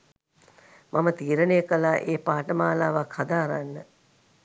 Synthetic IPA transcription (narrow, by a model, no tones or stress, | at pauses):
mʔamət̪iːɾənejəkəlaːʔeːpaːʈəmaːlaːʋakhad̪aːɾanːə